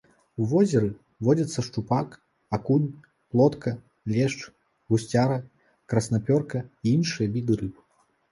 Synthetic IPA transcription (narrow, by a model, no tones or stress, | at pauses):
uvɔzʲɛɾɨ | vɔd͡zʲɐt̪sːɐʂt͡ʂupak | akunʲ | plˠɔt̪kʰɐ | lʲɛʂt͡ʂ | ɣusʲt͡sʲaɾɐ | kɾɐsnapʲɔrkɐiinʂɨjɐvʲid̪ɨɾɨp